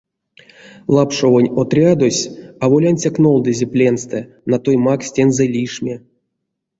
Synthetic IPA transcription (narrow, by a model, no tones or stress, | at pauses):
lˠapʂovonʲot̪rʲad̪osʲavolʲanʲt͡sʲakno̞lˠd̪ɨzʲeplʲenst̪ɛ | nat̪ojmaksʲtʲenzɛlʲiʂmʲe